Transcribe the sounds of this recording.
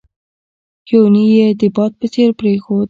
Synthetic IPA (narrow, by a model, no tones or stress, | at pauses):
jonijed̪əbɑt̪̚pət͡seɾpɾexod̪